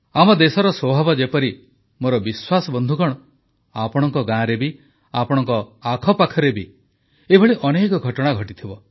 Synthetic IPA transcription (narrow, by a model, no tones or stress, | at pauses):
amɔd̪esɔɾɔswɔbʱabɔd͡ʒepɔɾi | moɾɔbiswasɔbɔnd̪ʱukɔɽ̃ɔ | apɔɽ̃ɔŋkɔɡãɾebi | apɔɽ̃ɔŋkɔakʰɔpakʰɔɾebi | ebʱɔɭiʔɔnekɔɡʱɔʈɔɽ̃aɡʱɔʈit̪ʰibɔ